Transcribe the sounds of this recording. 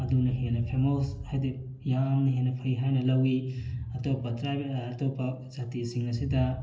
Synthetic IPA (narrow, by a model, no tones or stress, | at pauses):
ɐdunɐɦenɐpʰemoshajde | jamnɐɦenɐpʰɐjɦajnɐlɐwiɐtopɐtɾajbtʰopɐzatisiŋnɐsidɐ